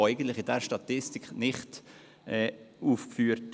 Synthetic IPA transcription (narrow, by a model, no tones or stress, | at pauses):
æɪɡən̩tlɪχɪdɛɾʃtɑt̪ɪstiknɪχt | ɛːuːfkfyːɾt